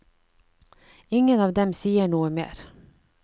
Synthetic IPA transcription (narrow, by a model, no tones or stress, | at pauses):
ɪŋːənɑːʋd̪ɛmsiːəɳuːəmḛːɾ